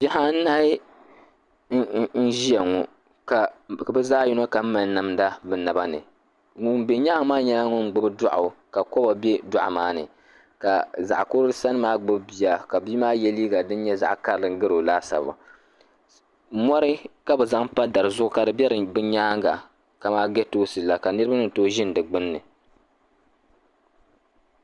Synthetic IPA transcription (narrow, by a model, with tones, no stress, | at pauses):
bɛ˦ha˦n̩˦na˦ɪ˦ | n̩˦ʒi˦ɛ˨ŋɔ˨ | ka˨bɨ˦zaː˦ji˦no˦ka˨m̩˦ma˨n˦na˨mda˦bɨ˨na˨ba˦nɨ̰˨ | ŋʊ˦m˦bɛ˨ɲa˦ŋ˦maː˦ɲɛ˦la˦ŋʊ˦n˨ɡ͡bʊ˦bɨ˦dʊ˦ʔʊ˨ka˨kɔ˦ba˨bɛ˦dʊ˨ʔa̰˨maː˦nɨ̰˨ | ka˨za̰˨ʔko˦ɾɨ˦sa˦nɨ˦maː˦ɡ͡bɨ˦bbi˨ja˨ka˨biː˦maː˦jɛ˦liː˦ɡa˨dɨ˦n˦ɲɛ˦za̰˨ʔka˦ɾlɨ˨ŋ̩˦ɡɨ˦ɾo˨laː˦sa̰˨a̰˨˦ | mɔ˦ɾɨ˦ka˦bɛ˨za˦ŋpa˦da˨ɾɨ˨zʊ˦ʔʊ˦ka˨dɨ˨bɛ˦ɾɨ˨bɨ˦ɲaː˦ŋɡa˨ | ka˨maː˦ɡɛ˦toː˦sɨ˨la˨ka˨nɨ˦ɾɨ˦ba˦nɨ˨toː˦ʒɪ˦n˨dɨ˨ɡ͡bɨ˦nːɨ˨